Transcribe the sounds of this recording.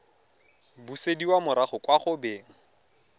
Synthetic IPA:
busediwamʊɾaχʊkʼwaχʊbeːŋ̩

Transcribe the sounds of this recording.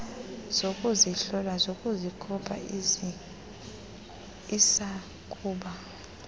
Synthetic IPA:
z̥okʼuziɬɔlazokʼuzikʰɔpʰʼa̰ | isa | kʼuːɓa

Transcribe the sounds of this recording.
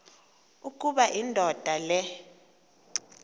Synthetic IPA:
ukʼuɓaʔindʱɔd̥ʱalɛ

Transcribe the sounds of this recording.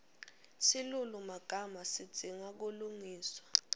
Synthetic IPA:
silulumaɡ̥ʱamasid̥d͡z̥ʱiŋak̬uluŋiːswḁ

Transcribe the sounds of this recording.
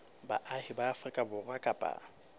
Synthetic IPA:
baʔahɪbaːfrikʼabʊrakʼapʼa̰

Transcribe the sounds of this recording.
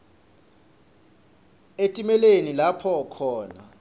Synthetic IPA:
etʼimɛlenilapʰɔkʰɔːna

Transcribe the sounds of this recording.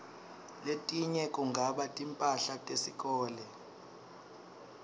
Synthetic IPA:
letʼiɲɛkʼuŋɡʱaɓatʼimpʼaɬatʼesik̬ʼɔːlɛ

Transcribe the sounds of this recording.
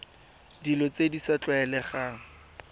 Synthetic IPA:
dilɔt͡sedisat͡ɬwaɛlɛχa

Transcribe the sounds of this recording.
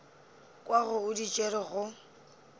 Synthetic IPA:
kʼwaɣʊʊdit͡ʃʼeɾɪɣʊ

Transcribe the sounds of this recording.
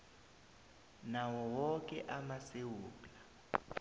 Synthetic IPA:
nawɔwɔk̬ʼɛʔamasewuːla

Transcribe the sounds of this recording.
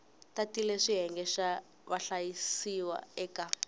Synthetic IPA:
tatilɛʂiɦɛŋɡɛʃa | βaɬajisiwa̰ɛka

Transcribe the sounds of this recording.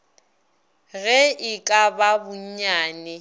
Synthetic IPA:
ɣɛɪkʼababʊɲ̩ɲaːnɛ

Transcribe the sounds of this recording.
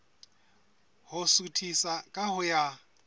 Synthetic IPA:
hʊsutʰisakʼaɦʊja

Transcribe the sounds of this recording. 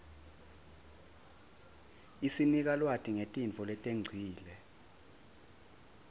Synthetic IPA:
isinik̬alwatʰiŋetʼinfʰɔlɛtʼeŋ͡ǀʱiːlɛ

